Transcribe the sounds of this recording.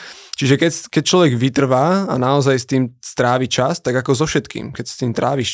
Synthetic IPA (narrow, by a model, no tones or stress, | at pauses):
t͡ʃiʒɛkɛcskɛc̚t͡ʃlɔʋɛɡʋit̪r̩ʋaːa̰naɔzajst̪iːmst̪ɾaːʋit͡ʃast̪aɡakɔzɔfʃɛt̪kḭːmkɛcsst̪iːmt̪ɾaːʋiʃ